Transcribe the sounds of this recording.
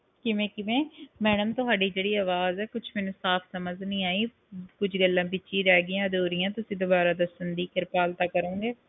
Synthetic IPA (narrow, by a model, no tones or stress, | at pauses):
kɪʋẽːkɪʋɛ̃ːmɛːɽəmt̪ʊɦaːɖiːd͡ʒeːɽiːaːʋaːzɛːkʊt͡ʃʰmɛːnũːsaːpʰsəməznĩːaːiː | kʊt͡ʃʰɡəlːãːbɪt͡ʃːʃĩːɾɛːɡɪjãːd̪oːɾɪjãːt̪ʊsĩːd̪ʊbaːɾaːd̪əsənd̪iːkɪɾpaːlt̪aːkəɾõːŋɡeː